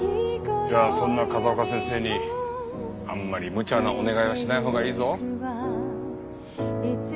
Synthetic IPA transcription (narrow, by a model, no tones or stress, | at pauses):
jaːsõ̞nːakazakasẽ̞ɰ̃se̞ːɲ̟i | amːaɾʲimɯ̟t͡ɕanaʔone̞ɡaiβaɕinaiɦo̞ːɡaiːzo̞